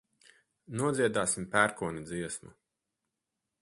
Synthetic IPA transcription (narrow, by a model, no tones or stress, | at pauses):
nuɔd̪zʲiɛd̪aːsimpæɾkuɔnid̪ziɛsmṵ